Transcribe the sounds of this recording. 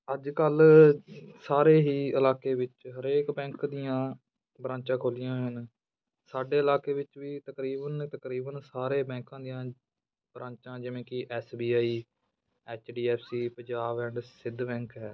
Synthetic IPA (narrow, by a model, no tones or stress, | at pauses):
əd͡ʒkəl | saːɾeːɦiːəlaːkeːʋɪt͡ʃɦəɾeːkbɛ̃ːŋkd̪ɪjãː | bɾãːɲt͡ʃãːkʰoːlɪjãːɦʊn | saːɖeːəlaːkeːʋɪt͡ʃʋiːt̪əkɾiːbənt̪əkɾiːbənsaːɾeːbɛ̃ːŋkãːd̪ɪjãː | bɾãːnt͡ʃãːd͡ʒɪʋẽːkɪʔɛːsbiːaːiː | ɛːt͡ʃɖiːɛːpʰsiːpə̃ɲd͡ʒaːbɛɳɖsɪd̪bɛ̃ːŋkɦɛː